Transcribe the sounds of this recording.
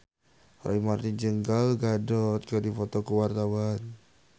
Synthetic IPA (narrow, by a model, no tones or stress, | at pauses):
ɾʔa̰imart̪id͡ʒəŋɡalɡadɔt̪̚kədifɔt̪ɔkəwart̪awan